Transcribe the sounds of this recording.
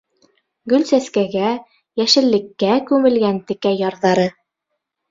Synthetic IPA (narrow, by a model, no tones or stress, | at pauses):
ɡɵlsæskæɡæ | jæʃɘ̆lːɘ̆kːækʉmɘ̆lɡænt̪ɘ̆kæjɑɾðɑɾɤ